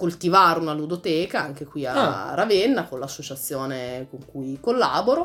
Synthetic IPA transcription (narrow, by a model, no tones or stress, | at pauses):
kolt̪ivaːɾunalud̪ot̪ɛːkaaŋk̟ekwia̰ravenːakonlasːot͡ʃat̪sːjoːnekoŋkujkolːa̰ːboɾo